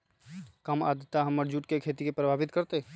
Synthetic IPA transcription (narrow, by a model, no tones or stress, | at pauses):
kəma̰d̪ət̪ːaɦəmːəɾd͡ʒuʈkekʰet̪ikepɾəbʱabit̪kəɾt̪e